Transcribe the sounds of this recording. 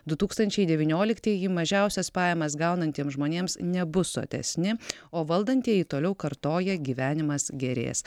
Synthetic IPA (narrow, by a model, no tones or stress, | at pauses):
d̪ʊt̪uːkst̪ɐnʲt͡ʃʲɛɪd̪ʲɛʋʲiːnʲoːlʲɪkt̪ʲiːjimɐʒʲɛʊsʲɛspɑːjɛmɐs̬ɡɐˑʊnɐnʲt̪ʲiɛmsʒmoːnʲeːmsnʲɛbʊso̰ːt̪ʲɛ̰sʲnʲɪ | oːʋɐlˠd̪ɐnʲt̪ʲiːɛjit̪oːlʲɛʊkɐɾt̪oːjɛɡʲiːʋʲæːnʲɪmɐsɡʲɛɾʲḛːs